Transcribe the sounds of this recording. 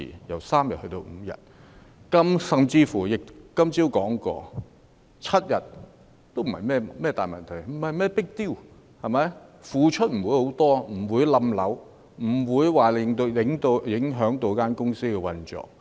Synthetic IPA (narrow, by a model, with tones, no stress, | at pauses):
ḭ˨jɐ˨˩wsaː˥mjɐ̰˨t̚hɵ˧t̪o˧wm̩˨˧jɐ̰˨t̚ | kɐ˥msɐ˨mt͡siː˧fuː˨˩jɪ˨k̚kɐ˥mt͡siː˥wkɔː˨˥ŋkɔ̰ː˧ | t͡sʰɐ˥t̚jɐ˨t̚ | t̪o˥wm̩˨˩hɐ̰˨˩jmɛː˥mɛː˥t̪a̰ː˨jmɐ̰˨nt̪ʰɐ˨˩jm̩˨˩hɐ˨jmɛː˥˩pɪ˥k̚t̪iː˥˩w | hɐ˨jmɐ˨˧jfuː˨˧t͡ʃʰɵ˥t̚m̩˨˩wuː˨˥jho˨˥wt̪ɔː˥m̩˨˩wuː˨˧jlɐ˧mlɐ̰˨˥w | m̩˨˩wuː˨˧jwaː˨lɪ˨˧ŋt̪o˧jɪ˨˧˥ŋt̪o˧wjɪ˨˥ŋɦœː˨˥ŋt̪o˧wkaː˥nkʊ˥ŋsiː˥kɛ˧wɐ˧nt͡ʃɔ̰ː˨k̚